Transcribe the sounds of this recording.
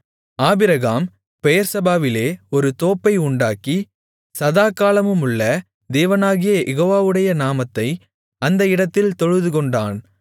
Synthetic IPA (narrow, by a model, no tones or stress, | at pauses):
aːbɪɾɐɣaːm | pɛjɐɾsɐbaːʋɪleːɔɾɯt̪oːpːɐɪʊɳɖaːkːi | sɐðaːkːaːlɐmɯmʊɭːɐ | d̪eːʋɐnaːɣɪjɐʔɛɣoːʋaːʋɯɽɐjɐnaːmɐt̪ːɐɪ | ɐnd̪ɐɪɽɐt̪ːɪlt̪ɔɻɯðɯkɔɳɖaːn